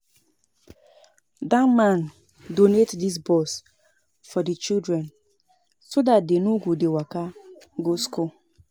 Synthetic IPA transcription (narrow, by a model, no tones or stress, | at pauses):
damãn | donetdis̬bɔs | fɔdit͡ʃildɾɛn | sodat̚denuɡudewaka | ɡoskul